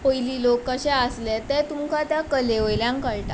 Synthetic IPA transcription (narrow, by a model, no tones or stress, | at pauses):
pojliːlokːəɕaəslɛt̪ɛt̪umkʰat̪jakəleojljãŋkəɭʈ̪a̰